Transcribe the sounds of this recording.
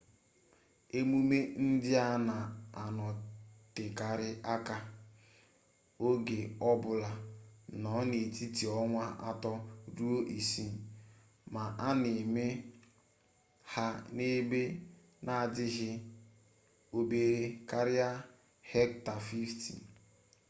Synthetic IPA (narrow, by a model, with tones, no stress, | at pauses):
e˦mu˦me˦n̩˦dɪ˦a˦na˨a˨nɔ˨tɪ˨ka˨ɾɪ˦a˦ka˦ | o˦ɡe˨ɔ˦bʊ˨la˨nɔ˨˦ne˨ti˦ti˨ɔ˦ŋʷa˦ʔa̰˦tɔ˦ɾu˦o˦ʔi˨si˦˨ | ma˨ʔa˦ne˨me˦ | ha˦ne˦be˦ | na˦˨a˨dɪ˦ɦɪ˦ | o˨be˨ɾe˨ka˦ɾɪ˦a˦ | hɛ˦kta˨fi˦ftḭ˨